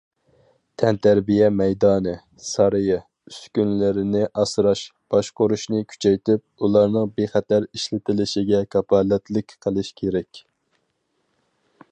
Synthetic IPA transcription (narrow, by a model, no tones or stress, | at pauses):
t̪ʰɛnt̪ʰæɾbijɛmɛjd̪ɑːnɨ | sɑɾɨjɪ | yskʲynlɪɾɪnɪʔɑsɾɑʃb̥ɑʃqoɾuʃnɨkʲʰy̥t͡ʃʰɛjt̪yp̚ulˠɑɾnɨŋbeχɛt̪æɾiʃlɪt̪ʰɪlɪʃɪɡʲɛkʰɑpɑːlɛt̪lɪkʲqʰəlˠɪʃkʲʰeɾɛkʲ